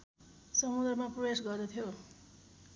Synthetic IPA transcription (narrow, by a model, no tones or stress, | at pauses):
sʌmud̪rʌmaprʌbjesɡʌrnet̪ʰjo